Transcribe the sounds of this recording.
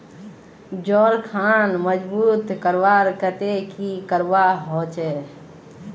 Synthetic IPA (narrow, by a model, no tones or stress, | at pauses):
d͡ʒɔːɾkʰanməd͡ʒbut̪kəɾʋaɾkət̪ekikəɾbaɦot͡ʃɛ